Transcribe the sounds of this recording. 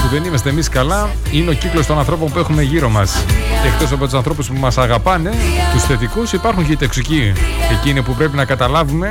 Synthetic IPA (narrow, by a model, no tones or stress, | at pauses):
puðe̞nimɐst̪emiskɐlɐ | ine̞o̞ciklo̞st̪onɐ̃nθɾo̞po̞mpue̞xume̞ʝiɾo̞mɐse̞kt̪o̞sɐpo̞t̪usɐnθɾo̞puspumɐsɐɣɐpɐne̞t̪usθe̞t̪ikusipɐɾxuɲcet̪o̞ksicie̞cinipupɾe̞pinɐkɐt̪ɐlɐvume̞